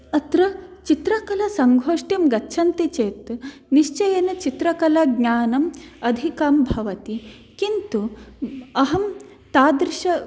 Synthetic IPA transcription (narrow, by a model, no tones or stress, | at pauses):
ɐt̪ɾɐt͡ʃit̪ɾɐkɐlɐsɐŋɡʱoːʂʈimɡɐtːʃʰɐnt̪it͡ʃeːt̪niʃt͡ʃɐjɐnɐt͡ʃit̪ɾɐkɐlɐɡɲaːnɐmɐd̪ʱikaːmbʱɐʋɐt̪i | kint̪u | ɐɦɐm | t̪aːd̪ɾɪʃɐ